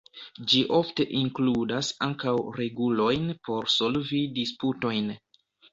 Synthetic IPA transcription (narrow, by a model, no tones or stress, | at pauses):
d͡ʒiʔo̞fte̞ʔiŋkludasaŋkawɾe̞ɡulo̞jnpo̞ɾso̞lvidisputo̞jn